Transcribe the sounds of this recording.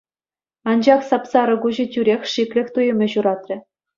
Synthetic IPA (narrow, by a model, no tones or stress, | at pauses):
ɑnd͡ʑɑχsɑpsɑɾɤ̆ɡuʑɘ̆tʲyɾʲexʲʂiklʲɘ̆xʲt̪ujɤ̆mʲɘ̆ʑuɾɑt̪rʲɘ̆